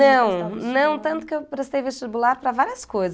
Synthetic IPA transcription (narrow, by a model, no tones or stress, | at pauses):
ɐ̃w̃nɐ̃w̃t̪ɐ̃nt̪ʊ̥kewpɾest̪ejveʃt͡ʃibulaɾpɾɐvaɾiɐskojz